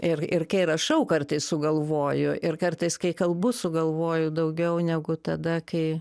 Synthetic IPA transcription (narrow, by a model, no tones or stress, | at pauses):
ɪrɪrkɐɪɾɐʃɐʊkɐrt̪ɐɪssʊɡɐlˠʋoːjʊʔɪrkɐrt̪ɐɪskɐɪkɐlˠbʊsʊɡɐlˠʋoːjʊd̪ɐʊɡʲɛʊnʲɛɡʊt̪ɐd̪ɐkɐɪ